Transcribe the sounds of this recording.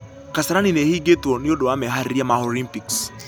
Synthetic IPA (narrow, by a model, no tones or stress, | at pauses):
kasaɾaninehiɡetɔnɪodoamɛɦaɾiamaolimpiks